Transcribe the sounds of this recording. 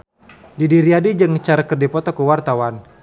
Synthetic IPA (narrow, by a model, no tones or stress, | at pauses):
didiɾiadid͡ʒəŋt͡ʃaɾakərdipɔt̪ɔkəwart̪awan